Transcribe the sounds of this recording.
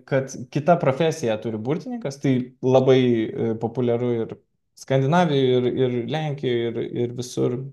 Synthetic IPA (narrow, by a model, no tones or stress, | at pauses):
kɐt̪kʲɪt̪ɐpɾoːfʲæːsʲɪjɛt̪ʊɾʲɪbut̪ʲɪnʲɪŋkɐst̪ɐɪlˠɐbɐɪpoːpʊlʲɛɾʊɪɾ | skɐnʲd̪ʲɪnɑːʋʲɪjʊɪrɪrlʲɛŋʲkʲɪjoːɪɾɪ̰ɾʋʲɪsʊr